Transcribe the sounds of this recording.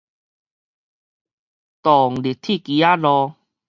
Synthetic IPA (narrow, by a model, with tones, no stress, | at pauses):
t̪ɔ˨˩ŋli˨˩t̪ʰi˥˨ki˨a˦lɔ˧